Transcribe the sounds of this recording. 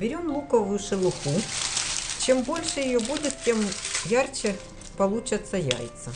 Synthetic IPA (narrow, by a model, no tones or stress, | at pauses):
bʲɪɾʲomlˠukɐvʊjʊʂɨlˠʊxu | t͡ɕembo̞lʲʂɨjɪjobudʲɪt̪̚tʲemjart͡ɕɛ | pɐlˠut͡ɕɐt̪sɐja̰jt̪sɐ